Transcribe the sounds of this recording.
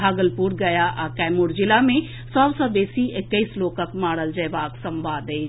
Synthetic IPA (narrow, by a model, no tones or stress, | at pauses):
aːɡəlpuɾɡɐjaʔkɛːmuːɾd͡ʒɪlamẽ | sɔbsə̃beːsiʔekːəɪsloːkəkmaːɽəld͡ʒəjbaːksə̃mbaːd̪eː